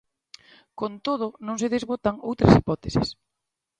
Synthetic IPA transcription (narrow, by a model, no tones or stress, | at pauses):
kont̪oð̞ʊnõŋs̬eðezβot̪aŋowt̪ɾasipɔt̪esɪ̰s